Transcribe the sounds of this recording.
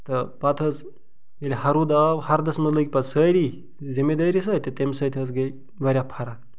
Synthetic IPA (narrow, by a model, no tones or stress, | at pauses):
t̪əpat̪ʰət͡s | eliɦaɾud̪aʋhaɾd̪əsməd͡zləkʲipat͡ssəjɾi | zemed̪əjɾisəjt̪et̪emsəjt̪ʰət͡sɡe | ʋəɾʲjapʰaɾak